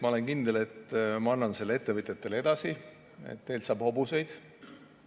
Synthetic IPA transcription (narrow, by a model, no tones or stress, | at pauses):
mɑo̞leŋkind̪̥e̞le̞t̪ːˑmɑɑnːɑnselːe̞t̪ːevɨt̪ʲjɑt̪ːˑe̞le̞d̪̥ɑsi | ḛt̪ne̞ːlt̪sɑːb̥ho̞buse̞jd̪̥